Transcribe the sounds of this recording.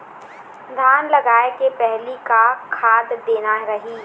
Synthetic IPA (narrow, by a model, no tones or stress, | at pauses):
d̪ʱaːnlɐɡaːekepɛɦlikakʰaːd̪d̪eːnaɾɐɦiː